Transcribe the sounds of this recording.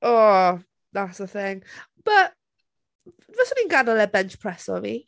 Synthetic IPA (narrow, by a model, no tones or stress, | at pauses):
ɔ | ðatsəθɪ̃ŋb̥əʔ | vəsə̃mɪ̃ŋɡanəlɛbɛnt͡ʃpʰɹ̥ɛsɔ̰vi